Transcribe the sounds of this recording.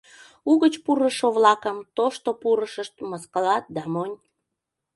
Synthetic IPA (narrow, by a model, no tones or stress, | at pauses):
uɣət͡ɕpuɾəʃoβlɑkəmt̪oʃt̪opuɾəʃəʃt̪̚məskəlɑt̪̚d̪ɑmonʲ